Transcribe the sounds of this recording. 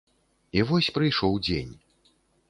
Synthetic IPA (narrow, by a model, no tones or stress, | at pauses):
ivɔsʲpɾɨjʂɔwd͡zʲḛnʲ